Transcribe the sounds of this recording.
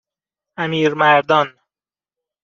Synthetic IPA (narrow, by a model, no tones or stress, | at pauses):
æmiːɾmæɾd̪ɒːn